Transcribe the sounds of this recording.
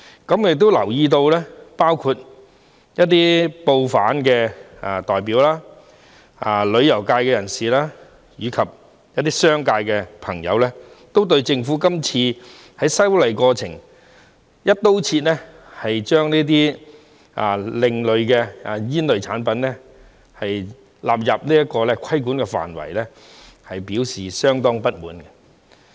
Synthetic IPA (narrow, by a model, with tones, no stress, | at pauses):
kɐ˨˥mjɪ˨k̚t̪o˥wlɐ˨˩wjiː˧t̪̬o˧wlɛː˥paː˥wkʰuː˧t̚ | jɐ˥t̚t̪iː˥po˧wfa̰ː˨˥nkɛː˧a˨t̪ɔː˨jp̬iː˨˥wlaː˥ | aː˨˩lɵ˨˧ɥjɐ˨˩wkaː˧jkɛː˧jɐ˨˩nsiː˨laː˥ | jyː˨˧˥kʰɐ˨p̚ | jɐ˥t̪̚ːiː˥sœː˥ŋkaː˧jkɛ˧pʰɐ̰˨˩ŋjɐ̰˨˧wlɛː˥ | t̪o˥wt̪̬ɵ˧ɥt͡sɪ˧ŋfu˨˥kɐ˥mt͡sʰiː˧ | hɐ˨˥jsɐ˥wlɐ˨˩jkɔː˧t͡sʰɪ˨˩ŋ | jɐ˥t̚t̪ːo˥wt͡sʰiː˧t̚nlɛ˥ | hɐ˨jt͡ʃœː˥ŋniː˥t̪̬iː˥ | ʔa˨lɪ˨˧ŋlɵ˨˧ɥkɛ˧a˨jiː˥nlɥt͡sʰaː˨˥npɐ˨˥nɛ˥ | hɐ˨j | la̰ː˨p̬̚jɐ˨p̚niː˥jɐ˥t̚kɔː˧lɛ˥kʷʰɐ˥jkuː˨˥nkɛ˧fa̰ː˨˩nwɐ̰˨˩jlɛ˥ | hɐ˨jpiː˨˥wsiː˨˩sœː˥ŋt̪ɔː˥ŋpɐ˥t̚muː˨˥nkɛ˧